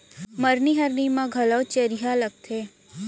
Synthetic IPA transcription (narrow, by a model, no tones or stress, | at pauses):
məɾniɦəɾnimãɡʱəlɔwt͡ʃeɾiɦaləɡ̚t̪ʰe